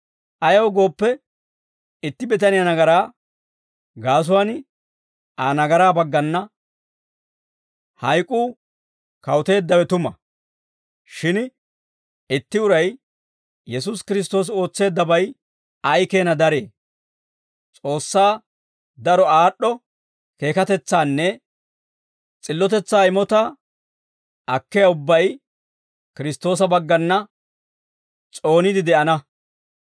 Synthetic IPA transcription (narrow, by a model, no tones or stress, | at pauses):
ʔɐjɐwɡo̞ːpːɛ | ɪt̪ːɪbɛt̪ɐnɪjɐnɐɡɐɾaː | ɡaːs̬ʊwan | aːnɐɡɐɾaːbɐɡːɐnːɐ | hɐjkʼːuː | kɐwʊt̪e̞ːd̪ːɐwɛt̪ʊmɐ | ʃɪn | ɪt̪ːɪʊɾɐj | jɛs̬ʊskɪɾɪs̬t̪o̞ːs̬o̞ːt͡sːe̞ːd̪ːɐbɐj | ɐjke̞ːnɐd̪ɐɾe̞ː | t͡sʼo̞ːsːaː | d̪ɐɾɔaːɗːɔ | ke̞ːkɐt̪ɛt͡sːaːnːɛ | t͡sʼɪlːɔt̪ɛt͡sːaːɪmɔt̪ɐ | ʔɐkːɛjɐʊbːɐj | kɪɾɪst̪o̞ːs̬ɐbɐɡːɐnːɐ | t͡sʼo̞ːnɪd̪ɪd̪ɛʔɐnɐ